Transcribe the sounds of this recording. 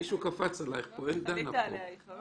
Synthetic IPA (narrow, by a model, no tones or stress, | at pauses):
iʃukafat͡sala̰jχpoend̪anapo̰